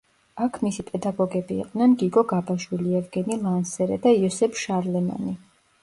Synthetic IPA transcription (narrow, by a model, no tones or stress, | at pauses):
akʰmisipʼɛd̪aɡɔɡɛbḭːqʼd̪nɛnɡiɡɔɡabaʃwiliɛvɡɛnilˠansɛɾɛ̰d̪aiɔsɛpʰʃaɾlɛma̰ni